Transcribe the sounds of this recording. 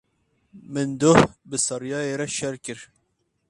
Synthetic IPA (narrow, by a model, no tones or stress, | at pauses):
mɨnd̪ʊhbɨsɑɾjɑːjeɾɛʃɛɾkɨɾ